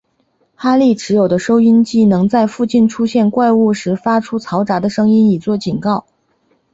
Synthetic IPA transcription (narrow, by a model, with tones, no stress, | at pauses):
xa˥li˥˩ʈ͡ʂɻ̩˧˥jo˨˩ʊd̪ə˦ʂo˥ʊi˥nt͡ɕi˥˩nɤ˧˥ŋt͡sa˥˧ɪfu˥˧t͡ɕi˥˩nʈ͡ʂʰu˥ɕjɛ˥˧nkwa˥˧ɪu˥˩ʂɻ̩˧˥fa˥ʈ͡ʂʰu˥t͡sʰɑ˧˥ʊʈ͡ʂa˧˥d̪ə˧ʂɤ˥ŋi˥ni˨˩t͡swɔ˥˩t͡ɕi˨˩nkɑ˥˩ʊ